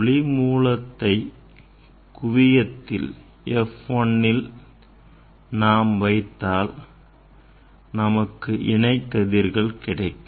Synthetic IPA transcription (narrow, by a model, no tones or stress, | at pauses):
ɭɪmuːlɐt̪ːɐɪ | kʊʋɪjɐt̪ːɪ̰l | ɛfɔnːɪl | naːmʋɐɪt̪ːaːl | nɐmɐkːɯʔɪɳɐɪt̪ːɐðiɾɣɐɭkɪɽɐɪkːɯ